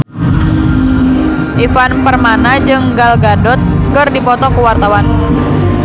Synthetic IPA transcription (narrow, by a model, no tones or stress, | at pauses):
ʔifanpərmanad͡ʒɨŋɡalɡadɔt̪̚kɨrdipɔt̪ɔkəwart̪awan